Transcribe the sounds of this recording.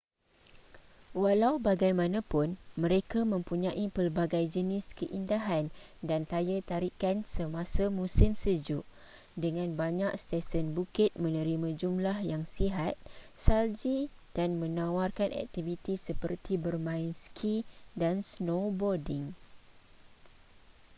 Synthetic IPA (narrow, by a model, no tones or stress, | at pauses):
walawbaɡajmãnãpʊnmə̃ɾekamə̃mpuɲãʔipərbaɡajd͡ʒənɪskəʔindaɦandant̪ajat̪aɾikansəmãsamũsɪmsəd͡ʒʊʔ | dəŋãnbaɲak̚st̪ɛsənbukɪt̪̚mə̃nə̃ɾimãd͡ʒumlahjaŋsiɦat̪̚sald͡ʒid̥anmə̃nãwarkanʔɛ̰k̚t̪ivit̪isəpərt̪ʰibərmãinskʰidansnobɔrdɪŋ